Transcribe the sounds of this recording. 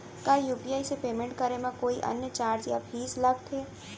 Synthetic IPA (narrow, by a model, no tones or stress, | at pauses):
kaːjuːpiaːisepeːmẽɳʈ̚kəɾemãkoːiʔɐ̰njət͡ʃaːɾd͡ʒjabʰʱiːsləɡ̚t̪ʰeː